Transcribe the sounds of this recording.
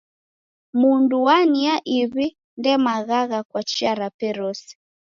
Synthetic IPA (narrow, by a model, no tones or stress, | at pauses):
munduwaniaʔiβi | ndɛmaɣaɣakwat͡ʃiaɾapɛɾɔsi̥